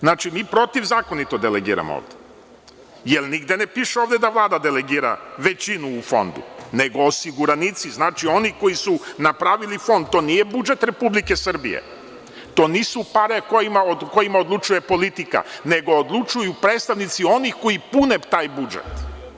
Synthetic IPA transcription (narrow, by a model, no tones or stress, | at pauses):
znaːt͡ʃimiːpɾo̞t̪iʋzaːko̞nit̪o̞d̪eleɡḭːɾa̰mo̰o̰ːʋd̪e | jelniɡd̪e̞nepiːʃeo̞ːʋd̪ed̪aʋlˠaːd̪ad̪eleɡiːɾa̰ʋe̞t͡ɕinuːfo̞̰nd̪ṵne̞ɡo̞ːsiɡuɾanit̪siznaːt͡ʃio̞nixko̞jisunapɾaʋilifo̞nd̪̚t̪o̞ːniːje̞bud͡ʒe̞t̪ɾe̞publike̞sr̩bḭjḛ | t̪o̞ːniːsupaɾekojimaoko̞jimaod̪lˠut͡ʃuje̞po̞lit̪ika̰ne̞ɡo̞ːd̪lˠut͡ʃujupɾeːt̪st̪aʋnit̪sio̞nixko̞jipunet̪aːjbud͡ʒḛt̪